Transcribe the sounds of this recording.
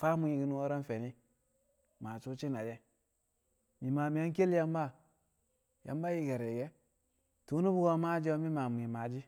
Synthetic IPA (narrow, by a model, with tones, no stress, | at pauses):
fa˦mu˨˦i˨ɡi˨nu˦o˦ɾa˦nfe˨ni˦ | ma˨t͡ʃu˦t͡ʃi˦na˨d͡ʒe˦ | mi˨ma˨mi˨ja˦n˦ke˦lja˦mba˦ | ja̰˨mba˦ji˦ɡe˨ɾe˨ɡe˦ | tu˦nu˦bu˦ɡo˦ma˦d͡ʒi˦wo˦mi˦ma˨mu˨i˨ma˨d͡ʒi˦